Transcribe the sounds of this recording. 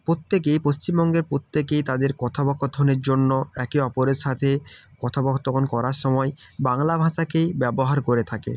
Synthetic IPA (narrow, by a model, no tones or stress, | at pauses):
pɾot̪ːekejpost͡ɕimbɔŋɡeɾpɾot̪ːekejt̪ad̪eɾkɔt̪ʰabɔkʰot̪ʰːoneɾd͡ʑonːoɛkiɔpoɾeɾʃat̪ʰekɔt̪ʰabɔkt̪okʰonkɔɾaɾʃɔmɔebaŋlabʱaʃakejbɛboɦaɾkoɾet̪ʰakḛ